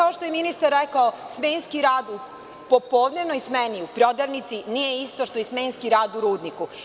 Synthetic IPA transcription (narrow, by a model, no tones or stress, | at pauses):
aoʃt̪ojeminist̪aɾːekaosmeːnskiɾaːd̪u | po̞poːd̪nenoismeniupɾo̞d̪aʋnit̪sinijeist̪o̞ʃt̪ojesmeːnskiɾaːd̪uɾuːd̪niku